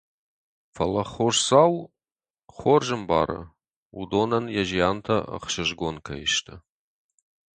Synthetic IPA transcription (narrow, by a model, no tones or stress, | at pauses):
fɐlɐχoʂsaw | χʷorʒɨmba̰ːɾɐ̰ | udonɐnjaʒijaːntʰɐə̰χʃɨʒɡʷonkʰɐ̰jɪʃtʰɐ